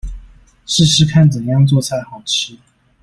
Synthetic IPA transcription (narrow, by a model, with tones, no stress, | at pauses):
ʂɻ̩˥˩˧ʂɻ̩˥kʰa˥˩nt͡sə˨˩mjɑ˥˧ŋt͡swɔ˥˧ɕʰja˥˩xɑ˨˩ʊʈ͡ʂʰɻ̩˥